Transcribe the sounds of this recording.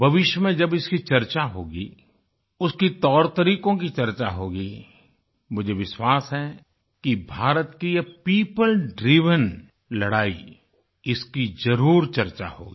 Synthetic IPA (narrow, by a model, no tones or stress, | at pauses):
bʱɐʋɪʃjəmẽd͡ʒɐbɪskit͡ʃɐɾt͡ʃaɦoːɡi | ʊskit̪ɔːɾt̪əɾiːkõk̬it͡ʃɐɾt͡ʃaɦoːɡi | mʊd͡ʒʱeʋɪʃwaːsɦɛ | kibʱaːɾət̪kijapiːpəlɖɾiːʋən | lɐɽaːḭ | ɪskid͡ʒɐɾuːɾt͡ʃɐɾt͡ʃa̰ho̰ːɡiː